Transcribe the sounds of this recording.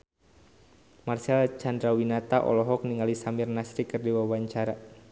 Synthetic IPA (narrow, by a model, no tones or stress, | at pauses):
marsialt͡ʃandɾawinat̪aʔɔ̰lɔɦɔk̚niŋalisamirnasɾikɨrdiwawaɲt͡ʃaɾa